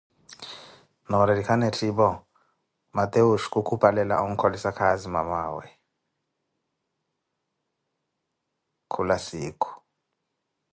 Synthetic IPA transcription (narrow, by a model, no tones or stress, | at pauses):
nɔɾedikʰanetʰibɔ | mat̪ʼeuʃkʼukʰupʰʼalɛla̰uŋ̩kʰolisakʰazima̰maːwɛ̰ | kʰulasiːkʰu̥